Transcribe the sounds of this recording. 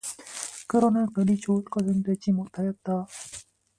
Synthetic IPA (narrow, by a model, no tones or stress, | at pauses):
kɯɾʌmjʌnkʌlit͡ɕoːt̚k͈ʌsɯnd̪wed͡ʑimotʰajʌt̚t͈a